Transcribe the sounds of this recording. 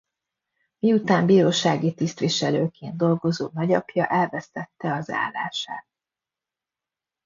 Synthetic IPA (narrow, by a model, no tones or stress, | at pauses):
miut̪aːmbiːɾoːʃaːɡit̪ist̪ʋiʃɛløːkeːnd̪d̪o̞lɡo̞zoːnɒɟɒpjɒʔɛlvɛst̪ɛt̪ːɛɒza̰ːlːa̰ːʃaːt̪̚